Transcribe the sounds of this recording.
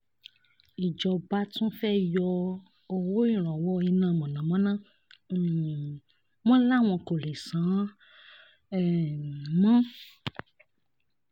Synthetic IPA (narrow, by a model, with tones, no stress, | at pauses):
i˨d͡ʒɔ˨ba˦t̪ũ˦fɛ˦jɔ˧ | o˨wo˦i˦˨ɾ̃ɔ̃˨wɔ˧i˧nã˨mɔ̃˨nã˨mã˦nã˦˨ | mã˦la˦w̃ɔ̃˧ko˨le˨sã˨˦˨ | mã˦